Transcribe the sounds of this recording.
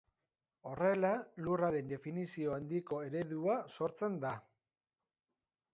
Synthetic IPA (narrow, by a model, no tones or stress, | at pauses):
o̞re̞laluraɾe̞nd̪e̞finisio̞and̪iko̞e̞ɾe̞ðuaso̞ɾt͡se̞nd̪a